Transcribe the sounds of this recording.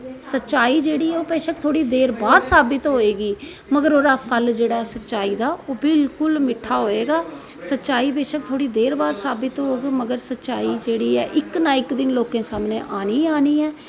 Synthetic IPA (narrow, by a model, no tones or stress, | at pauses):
sətːʃaːiːd͡ʒeːɽiːɛːoːpeːʃək̚t̪ʰoːɽiːd̪eːɾbaːd̪saːbɪt̪ɦoːeːɡiː | məɡəɾoːɾaːpʰəld͡ʒeːɽaːɦɛːsətːʃaːiːd̪aːʔoːbɪlkʊlmɪʈʰaːɦoːeːɡaː | sətːʃaːiːbeːʃək̚t̪ʰoːɽiːd̪eːɾbaːd̪saːbɪt̪ɦoːɡiːməɡəɾsətːt͡ʃaːiːd͡ʒeːɽiːɛ̰ːʔɪknãːɪkd̪ɪnloːkẽːsaːmnẽːʔaːniːaːniːɛː